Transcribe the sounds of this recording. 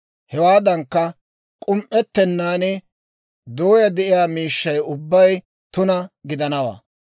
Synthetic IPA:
hɛwaːd̪ɐŋkːɐ | kʼʊmʔɛt̪ːɛnːaːnɛ | d̪oːjɐd̪ɛʔɪjaːmiːʃːɐjʊbːɐj | t̪ʊnɐɡɪd̪ɐnɐwa̰ː

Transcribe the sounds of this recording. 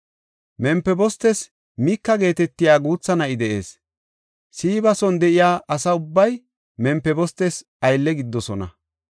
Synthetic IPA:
mɛmpːɛbɔst̪ɛs | miːkːɐɡe̞ːt̪ɛt̪ːɪjaːɡuːt͡sːɐnɐɪd̪ɛʔe̞̰ːs | siːbɐsɔnd̪ɛʔɪjaːʔɐsɐʊbːɐj | mɛmpːɛbɔst̪ɛs | ɐjlːɛɡɪd̪ːɔsɔnɐ̰

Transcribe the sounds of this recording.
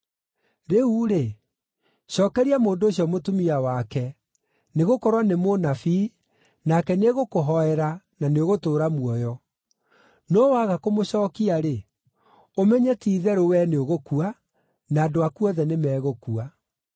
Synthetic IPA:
ɾeuɾe | ɕɔːkɛɾiamoːndoːɕjɔmotumiawakɛ | neɣokɔɾwanemonafi | nakɛneɣokoɦɔɛɾa | naneoɣotoːɾamuɔjɔ | nɔwaɣakomoɕɔːkiaɾe | omɛɲɛtiːðɛɾowɛneoɣokua | naːdoakuɔðɛnemɛːɣokua

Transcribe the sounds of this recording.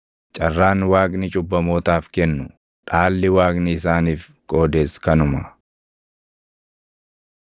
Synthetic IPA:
t͡ʃʼɐrːaːnwaːɡnɪt͡ʃʼʊbːɐmoːt̪aːfkɛnːʊ | ᶑaːlːɪwaːɡnɪɪs̬aːniːf | kʼo̞ːd̪eːskɐnʊmɐ

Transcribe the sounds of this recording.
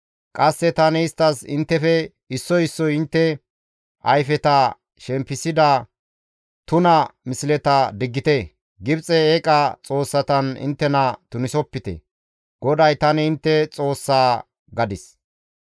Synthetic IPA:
kʼɐsːɛt̪ɐnɛɪst̪ːɐsɪ̰nt̪ːɛfɛ | ɪsːɔjɪsːɔjɪnt̪ːɛ | ʔɐ̰jfɛt̪ɐ | ʃɛmpːɪsɪd̪ɐ | t̪ʊnɐmɪsɪlɛt̪ɐd̪ɪɡːɪt̪e | ɡɪbt͡sʼɛeːkʼɐt͡sʼo̞ːsːɐt̪ɐnɪ̰nt̪ːɛnɐt̪ʊnɪsɔpːɪt̪ɛ̰ | ɡ̥ɔd̪ɐjt̪ɐnɛɪnt̪ːɛt͡sʼo̞ːsːaː | ɡɐd̪ɪs

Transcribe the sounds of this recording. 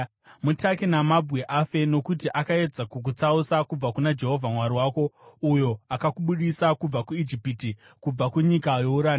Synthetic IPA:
mutʰakinamabʱweʔafe̞no̞kutiʔakae̞d͡zakuk̬ut͡sausakub͡vakunad͡ʒe̞ɦo̞vʱamwaɾiwaːko̞ujo̞akakuɓuɗisakub͡vakuid͡ʒipiti | kub͡vakuɲikajo̞uɾaːn

